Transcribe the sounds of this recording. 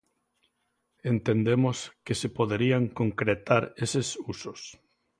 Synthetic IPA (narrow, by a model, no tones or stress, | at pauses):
ent̪end̪emoskesepoðeɾiaŋkoŋkɾet̪aɾesesusos